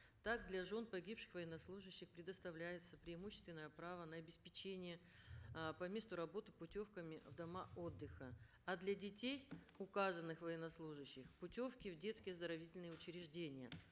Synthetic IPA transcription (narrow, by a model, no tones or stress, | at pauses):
t̪aɡd̪lʲɐʐo̞npɐɡʲipʂɨ̥xvəjɪnːɐslˠuʐɨɕːɪxpɾʲɪd̪əst̪ɐvlʲæjɪt̪səpɾʲɪɪmuɕːɪst̪vʲɪnːəjəpɾavənɐɐbʲɪspʲɪt͡ɕenʲɪjə | pɐmʲe̞st̪ʊɾɐbo̞t̪ɨ̥pʊtʲo̞fkəmʲɪvd̪ɐmao̞d̪ːɨxə | ɐd̪lʲɐdʲɪtʲej | ʊkazənːɨxvɐjɪnɐslˠuʐɨɕːɪxpʊtʲo̞fkʲɪvdʲe̞t̪skʲɪjəzd̪əɾɐvʲitʲɪlʲnɨjəʊt͡ɕɪɾʲɪʐdʲenʲɪjə